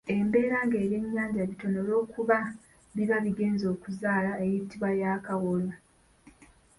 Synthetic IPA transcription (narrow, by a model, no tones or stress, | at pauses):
e̞mbe̞ːɾaŋɡe̞ːɾeɲːaːɲɟaβito̞no̞lo̞ːkuβa | βiβaβiɡe̞ːnzo̞ːkuzaːlaejitiβwajaːkawolwa